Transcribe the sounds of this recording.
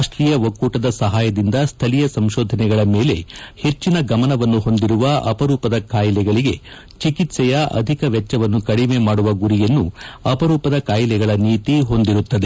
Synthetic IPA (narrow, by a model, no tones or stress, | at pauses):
ʂʈɾiːjɐʋɐkːuːʈɐd̪ɐsɐɦaːjɐd̪ind̪ɐst̪ʰɐlijɐsɐmʃoːd̪ʱɐnɛɡɐɭɐme̞ːle̞he̞t͡ʃːinɐɡɐmɐnɐʋɐnːuɦo̞nd̪iɾuʋɐɐpɐɾuːpɐd̪ɐkaːjilɛɡɐɭiɡe̞ | t͡ʃikit̪sɛjɐʔɐ̰d̪ʱikɐʋɛt͡ʃːɐʋɐnːukɐɽimeːmaːɽuʋɐɡuɾijɐnːuɐpɐɾuːpɐd̪ɐkaːjlɛɡɐɭɐniːt̪iɦo̞nd̪iɾut̪ːɐd̪e